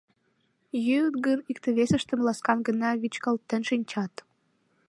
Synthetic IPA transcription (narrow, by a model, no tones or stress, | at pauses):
jøt̪ɡənikt̪ə̆βesə̆ʃt̪ə̆mlɑskɑnɡə̆nɑβit͡ɕkəlt̪ːə̆nʃinʲt͡ɕɑt̪